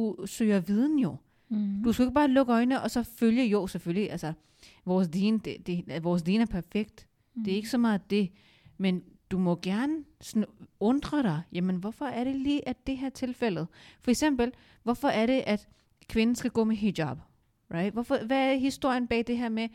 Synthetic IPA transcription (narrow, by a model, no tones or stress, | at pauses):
usø̰ːɐʋið̞ˠn̩jo̝ | d̥usɡ̥æe̝ɡ̥̚b̥ɑ̈ːlɔ̽ɡ̥əɒ̽ɪnəʔɒ̽sɒ̽føljəjosefølliʔælsɐ | ʋɒːsliːnəd̥ed̥e̝ʋɒːs̬liːnæɐpʰæɐfeɡ̥d̥ | d̥e̝æɐe̝ɡ̥əsɒ̽mɑ̈ːð̩ˠd̥e̝ | mend̥umɔ̽ɡ̥æɐnəsnɔ̽nd̥ʁɐɾ̥ɑ̈ɪjæmənʋɒfɒ̽æɐɾ̥e̝liːʔæd̥e̝ɦæɐ̰t͡sʰe̝lfel̰ð̞̩ˠfɒ̽eɡ̥sem̰b̥l̩ | ʋɒfɒ̽ʔæɐɾe̝ʔæd̥ | kʰʋe̝nn̩sɡ̥æɡ̥ɔ̰̽ːmeɦidɑb̥ | ʁɑ̈ɪd̥ʋɒfɒʋææɐdeɦisd̥o̝ɐ̰jənb̥ɛ̰ːd̥e̝ɦæɐ̰me